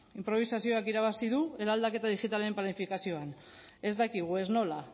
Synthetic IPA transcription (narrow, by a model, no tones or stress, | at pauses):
impɾo̞β̞isasio̞akiɾaβ̞asiðue̞ɾald̪ake̞t̪aðixit̪aleemplanifikasio̞an | e̞zd̪akiɣ̞ue̞zno̞la